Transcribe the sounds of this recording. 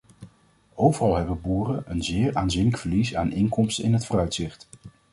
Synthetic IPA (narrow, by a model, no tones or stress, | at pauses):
owvərɑlˠɦɛbənbuːrənʔənzɪːɹaːnzinləkfəɹlisa̰ːnɪŋkɔmstəɪ̰nɦətfʊːrœɥtsɪχt